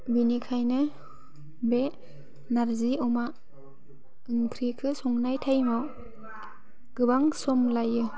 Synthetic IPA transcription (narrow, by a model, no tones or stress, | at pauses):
binikʰajnɯ | be | naɾziɔma | ɯŋpʰɾikʰɯsɔŋnajtʰajmɔ | ɡ̥ɯbaŋsɔmlajːɯ